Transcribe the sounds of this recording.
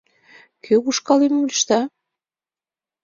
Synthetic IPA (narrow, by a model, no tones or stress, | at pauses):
kʰøβuʃkɑlemulʲʃt̪ɑ